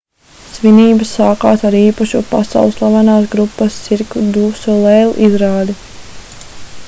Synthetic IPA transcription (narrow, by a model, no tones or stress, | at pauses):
sʋiniːbəsaːkaːt̪aɾiːpaʃupasa̰wlˠslˠavanaːs̬ɡɾupːast̪siɾkud̪uːsulˠɛlˠʔizɾaːd̪i